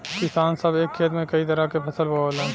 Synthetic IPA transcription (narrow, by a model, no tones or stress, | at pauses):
kɪsaːnsɐbeːkʰːeːt̪mẽkɐit̪ɐɾakepʰɐsəlbaolã